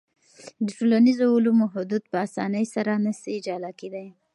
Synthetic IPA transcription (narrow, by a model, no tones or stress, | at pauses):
d̪əʈolanizoʊlumoɦʊd̪ud̪̚pəasɑ̰nəjsaɾanəsed͡ʒɑlaked̪aj